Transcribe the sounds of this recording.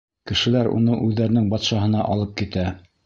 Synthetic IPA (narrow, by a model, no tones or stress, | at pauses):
kɘ̆ʃɘ̆læɾṵnɤʔʉðːæɾɘ̆nɘŋbɑt̪ʃɑɦɤ̆nɑʔɑlˠɤp̚kit̪æ